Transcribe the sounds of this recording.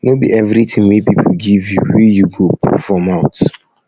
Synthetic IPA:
nobḭɛvɾitʰĩŋmepipʰuɡivjṵwijuɡopʰɔ̰fɹɔmaʊt

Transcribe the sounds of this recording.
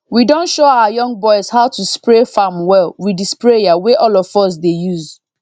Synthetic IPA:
widɔ̃ntʃoawajɔ̃ŋɡ̚bɔɪz̥haʊtuspɹefamwɛlwidispɹejaweʔɔlɔfɔs̬dejuz

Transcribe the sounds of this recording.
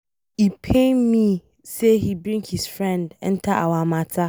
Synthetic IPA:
ipʰẽmĩ | sehibɾĩŋkhisfɹɛ̃ndɛ̰̃n̩tʰaʔawamãtʰa

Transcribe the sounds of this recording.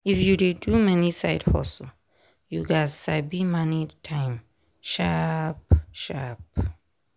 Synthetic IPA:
ifjudedumɛnisa̰ɪdhɔ̰sl | juɡazsabimanitʰãɪ̃m | ʃapʃap̚

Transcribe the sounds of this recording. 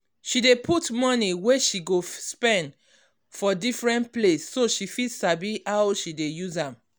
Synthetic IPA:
ʃidepʰutmɔniweʃiɡospɛ̃nd | fɔdifɹɛ̃ntplesːoʃifisabiawʃidejuzãm

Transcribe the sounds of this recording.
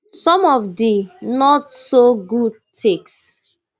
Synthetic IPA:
sɔ̃mɔvdinɔtsoɡud̚tʰeks

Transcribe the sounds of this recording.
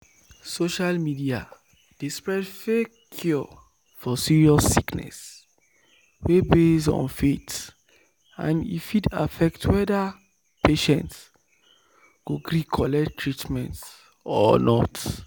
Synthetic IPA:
soʃalmidia | d̥ispɹɛdfe | kʰju | fɔsiɹiɔsːiknɛ̰s | webesɔ̰̃nfet | ã̰nḭfida̰fɛk̚tʰwɛda | pʰeʃɛ̃nts | kuɡɹikʰɔlɛktʰːɹitmɛ̰̃nts | ɔnɔt

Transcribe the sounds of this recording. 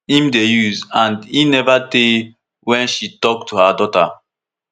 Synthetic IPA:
ĩmdejuzãndinɛvate | wɛ̃nʃitɔk̚tʰuhadɔta

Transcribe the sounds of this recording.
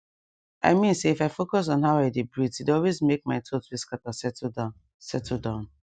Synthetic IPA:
ʔa̰ɪmĩnseifaɪfokɔs̬ɔ̃nɦaʊaɪdebɹitidɔlwezmek̚maɪtʰotwiskatasɛta | sɛtʰdãʊ̃n

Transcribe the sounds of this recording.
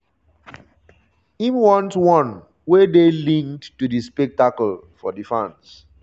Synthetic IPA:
ĩmwɔ̃ntwɔ̃n | wedelĩŋkdtudispɛk̚takəlfɔdifãns

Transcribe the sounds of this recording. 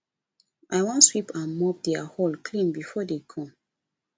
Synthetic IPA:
ʔaɪwɔ̃nswipãnmɔp̚dɛahɔlkʰlĩnbifɔdekʰɔ̃m

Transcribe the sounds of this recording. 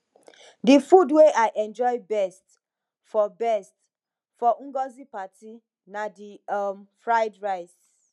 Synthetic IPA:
difudweʔajʔɛ̃nd͡ʒɔjbɛst | fɔbɛst | fɔŋ̩ɡɔzipati | nadimfɹaɪdɹaɪs

